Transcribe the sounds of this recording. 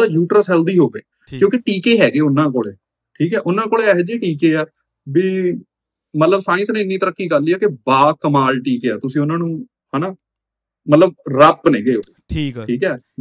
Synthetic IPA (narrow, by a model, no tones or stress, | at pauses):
aːjuːʈɾəsɦɛːld̪iːɦoːɡəeː | kjõːkɪʈiːkeːɦɛːɡeːʊnːãːkoːɽeː | ʈʰiːkɦɛːʔʊnːãːkoːɽeːɛːɦd͡ʒiːʈiːkeːaː | biː | mət̪ləbsãːɪ̃snẽːɪnːiːt̪əɾəkːiːɡəɾlːiːaːkɪbaːkəmaːlʈiːkeːaːt̪ʊsĩːʊnãːnũː | hãːnaː | mət̪ləb̚ɾəpːnẽːɡeːo | ʈʰiːkɛː